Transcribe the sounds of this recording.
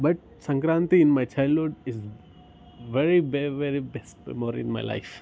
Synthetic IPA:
bɐʈ̚ | sə̃ŋkɾãːnt̪iɪ̃nmaɪt͡ʃaɪlɦʊɖɪz | ʋeɾibeʋeɾibɛsʈmoːɾɪ̰̃nma̰ɪla̰ɪf

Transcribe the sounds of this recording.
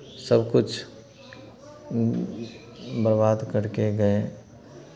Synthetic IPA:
səbkʊt͡ʃʰ | bəɾbaːd̪kəɾkeɡɐe

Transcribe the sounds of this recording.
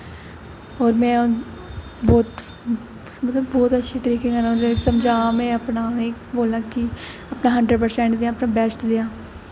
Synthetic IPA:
ɔːɾmɛ̃ː | bɔːt̪ | mət̪ləbːɔːt̪ətːʃʰiːt̪əɾiːkeɡənõːd̪esəmd͡ʒaːmẽːəpnaːeboːlãːkɪ | əpnaːɦəɳɖɾəɖ̚pəɾsɛ̃ːɳʈd̪eːãːəpnãːbɛːsʈd̪eːãː

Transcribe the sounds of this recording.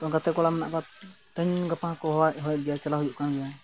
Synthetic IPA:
t̪ɔ̃ɡat̪ɛkɔlamɛna̰ʔkat̪əɲɡapãkɔɦaʔɦɔjɛt̪̚ɡɛjat͡ʃalaɦujuʔkanɡɛja

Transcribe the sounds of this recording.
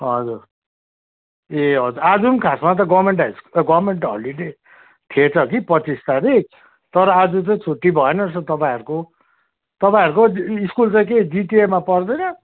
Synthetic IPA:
ɦʌd͡zur | eɦʌd͡zuɾad͡zunkʰasmat̪̬ʌɡʌbmeɳʈiskɡʌbrmeɳʈɦʌ̰liʈe | t̪ʰiet͡sʰʌk̬ipʌt͡sist̪aɾi | t̪ʌɾʌad͡zut͡saĩt͡sʰuʈːibʱʌenʌsʰʌt̪ʌpãĩʌɾuko | t̪ʌpaĩʌɾukoiskult͡sãĩkeɖiʈiemːapʌrd̪ʌjnʌ

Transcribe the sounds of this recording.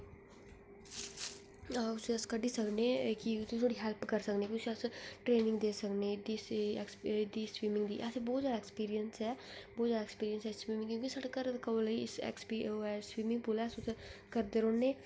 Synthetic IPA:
ʊsəskəɖiːsəkneːkist̪ʰoːɽiːɦɛlpkəɾsəkneːkiʊsəsʈɾeːnɪ̃ŋɡd̪eːsəkneːd̪iːsɛksd̪iːswiːmɪ̃ŋɡd̪ḭːʔɐsebɔːt̪zjaːd̪aɛːkspiːɾijənsɦɛːbɔːt̪zaːd̪ɛːkspiːɾijənsɛːswiːmɪ̃ŋɡkjõːkisəʈkəɾkəmliɪsɛ̰kspiɛːswiːmɪ̃ŋɡ̚pulɛːsʊt̪kəɾd̪eːɾoːnːeː

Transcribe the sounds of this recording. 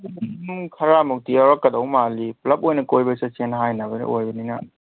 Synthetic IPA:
mkʰɐɾamuk̚tijawɾakːɐdowmaliplɐp̚ojnɐkojbɐsasenɦajnabɐnḭʔojbɐninɐ

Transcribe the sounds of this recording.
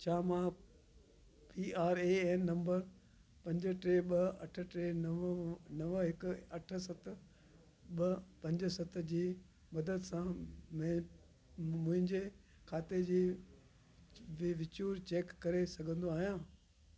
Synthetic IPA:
t͡ɕʰaːmãː | piːaːɾeːɛːnnɐ̃mbəɾ | pɐ̃ɲd͡ʑəʈɾeːɓɐɐʈʰə̆ʈɾeːnnɐʋɦɪkʊɐʈʰə̆sɐt̪̆ʰ | ɓɐpɐ̃ɲd͡ʑə̆sɐt̪̆ʰd͡ʑiː | mɐd̪əd̪sãmɛ̃ː | mʊ̃ɦɪ̃ɲd͡ʑe | kʰaːt̪ed͡ʑiː | ʋɪʋɪt͡ɕuːɾt͡ɕeːkːɐɾesɐɡʱə̃nd̪oaːɦijãː

